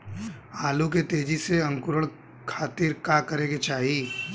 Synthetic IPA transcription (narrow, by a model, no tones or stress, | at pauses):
aːlũk̬et̪eːd͡ʒiseɐ̃ŋkʊɾəɭ | kʰaːt̪iːɾkaːkɐɾẽːɡet͡ʃaːɦi